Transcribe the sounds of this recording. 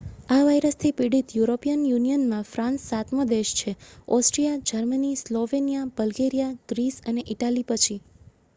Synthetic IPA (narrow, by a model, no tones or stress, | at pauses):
aʋajɾəst̪ʰipiɽit̪juɾopijənjunijənmãfɾãnsːat̪məd̪eʃt͡ʃʰeɔsʈɾijad͡ʒəɾmənisloʋenijab̥əlɡeɾijaɡ̥ɾisəneʔiʈalipət͡ʃʰi